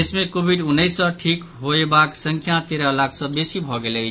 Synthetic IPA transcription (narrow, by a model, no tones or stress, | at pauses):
esmekobʱiɖunːʌjsʌʈʰik | ɦoebaksʌŋkʰjat̪eɾʌlakʰsʌbesibʱʌɡelej